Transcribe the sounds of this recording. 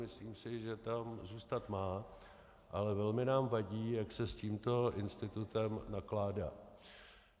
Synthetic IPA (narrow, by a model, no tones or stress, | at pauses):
mɪsliːmsɪʒɛt̪amzuːst̪at̪maː | ʔalɛvɛlmɪnaːmvaɟiːjaksɛsciːmt̪o̞ʔɪnst̪ɪt̪ut̪ɛmnaklaːda̰ː